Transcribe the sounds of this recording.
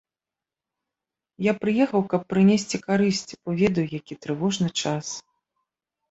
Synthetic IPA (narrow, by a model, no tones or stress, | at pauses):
japɾɨjɛxɐwkɐpːɾɨnʲɛsʲt͡sʲikaɾɨsʲt͡sʲipɔvʲɛd̪ɐjujakʲit̪ɾɨvɔʐnɨt͡ʂas